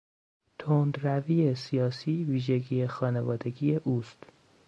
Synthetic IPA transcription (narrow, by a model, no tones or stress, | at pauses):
t̪ʰond̪ɾæviːesijɒːsiːviːʒeɡiːexɒːnevɒːd̪e̞ɡiːeʔuːst̪